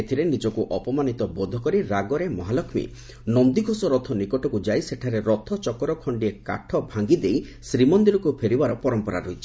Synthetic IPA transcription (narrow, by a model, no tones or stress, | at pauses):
et̪ʰiɾenid͡ʒɔkuʔɔpɔmanit̪ɔbɔd̪ʱɔkɔɾiɾaɡɔɾemɔɦalɔkʰmḭ | nɔnd̪iɡʱosɔɾɔt̪ʰɔnikɔʈɔkud͡ʒajseʈʰaɾeɾɔt̪ʰɔt͡ʃɔkɔɾɔkʰɔɳɖieka̰ʈʰɔbʱaŋɡid̪ej | sɾimɔnd̪iɾɔkupʰeɾibaɾɔpɔɾɔmpɔɾa̰ɾoɦit͡ʃʰi̥